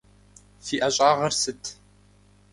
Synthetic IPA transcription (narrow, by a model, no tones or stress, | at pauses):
fiːʔɐɕʼɑːʁɐrsɨtʰ